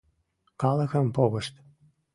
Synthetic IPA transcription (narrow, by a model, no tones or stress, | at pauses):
kɑlə̆xə̆mpoɣə̆ʃt̪